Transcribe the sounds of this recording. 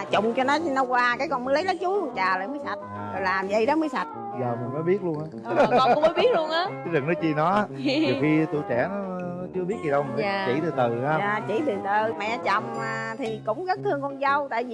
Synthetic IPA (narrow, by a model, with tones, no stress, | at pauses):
t͡ɕʊ˨˧˨wŋ͡mt͡ɕɔ˧nɔ˨˦nə˨˧wkwaː˧kaː˨˦jkɔ˨˩nmə˨˦jlə˨˦jlaə˨˦jt͡ɕu˨˦lu˧ənt͡ɕaː˨˩lə̰ː˧˨jməː˨˦jsa˨˩t̪̚ː | ɔ˨˩jlaː˨˩mzə̰˧˨jɗɔ˨˦məː˨˦jsa˨˩t̚ | zəː˨˩mi˨˩ŋmə˨˦jɓi˦˥ət̚lu˧ənʔaː˨˦˨ŋ͡mmː˧˨˦jɓi˦˥ət̚lu˧ənʔaː˨˦ɨ˨˦zɨ˨˩ŋnɔ˨˦t͡ɕi˧nɔ˨˦i˨fi˧t̪u˧˨t͡ɕɛ˧˩nɔ˨˦ | nɔ˨˦t͡ɕɨ˧əɓi˦˥t̚zi˨˩ə˧wm˨˩˨t͡ɕḭ˧˩t̪ɨ˨˩t̪ɨ˨˩a˧aː˨˩t͡ɕḭ˧˩t̪ɨ˨˩t̪ɨ˨˩mɛ̰˧˨ʔa˧t͡ɕə̰˨˧˩wŋ͡mmaː˨˩t̪ʰi˨˩kʊ̰˧˥wŋ͡mɣə˦˥t̪ʰɨ˧əŋkɔ˧nzə˧wt̪a̰ː˧˨ji˨